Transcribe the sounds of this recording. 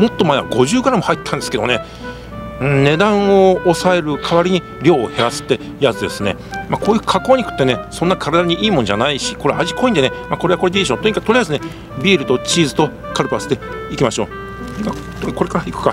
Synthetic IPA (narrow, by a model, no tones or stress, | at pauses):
mo̞t̪ːo̞maeβa̰ɡo̞ʑɨːɡaɾamo̞hait̪ːãnd̪e̞sɨ̥ke̞d̪ne | ɯ̟̃ne̞d̪ãɰ̃o̞ːsae̞ɾɯ̟kʰaβaɾʲiɲ̟i | ɾʲo̞ːhe̞ɾasɨ̥t̪ːe̞ | jazɨd̪esɨne̞̰mako̞ːjɯ̟ːkʰako̞ːɲ̟ikɯ̟̥t̪ːe̞ne̞sonːakʰaɾad̪aɲ̟iʔiːmonod͡ʑa̰naiɕiko̞ɾeʔa̰ʑikʰo̞ĩnd̪e̞nemako̞ɾe̞akoɾed̪ʲiiɕõnt̪oɲikat̪o̞ɾiaizɨne̞ | bʲiːɾɯ̟t̪o̞t͡ɕiːzɨt̪o̞ | kaɾɯpasɨ̥t̪e̞ikʲimaɕo̞ː | ima | ko̞ɾe̞kaɾaikɯ̥ka